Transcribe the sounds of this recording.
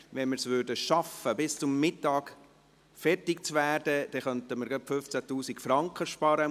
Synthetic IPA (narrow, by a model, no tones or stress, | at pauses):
ʋɛnməɾsʋʏːɾdəʃɑfəbɪst͡sʊmːɪtːɑːɡ | fɛɾtɪk̚t͡svæːɾdəd̪̥ɛχœntəməɾɡɑpfʏft͡sætuːsikfɾɑŋkχəʃpɑːɾə